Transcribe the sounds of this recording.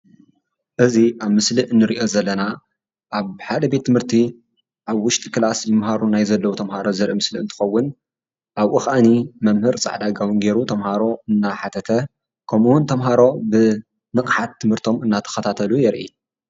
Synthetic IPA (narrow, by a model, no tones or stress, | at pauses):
ʔɨziʔaβmɨsliʔɨnːɨɾiʔo̞zɐlːɐna | ʔaβħad̪ɐbe̞t̪ʰːɨmhɨɾt̪ʰi | ʔaβwʊʃt̪ʼi̥kɨlasjɪmɦaɾunajzɐlːɐwut̪ʰɐmhaɾo̞zɨɾʔimɨsliɨ̰nt̪ʰɨ̥xɐwːʊn | ʔaβʔɨxʔanimɐmhɨɾt͡sʼa̰ʕd̪aɡawɨnɡe̞ɾut̪ʰɐmhaɾo̞ɨnːaħat̪ʰɐt̪ʰɐ | kʰɐmuwʊnt̪ʰɐmɦaɾo̞bɨ | nɨkʼħat̪ʰːɨmhɨɾt̪ʰo̞mɨnːat̪ʰɐ̥xɐt̪ʰat̪ʰɐlujɛɾʔḭ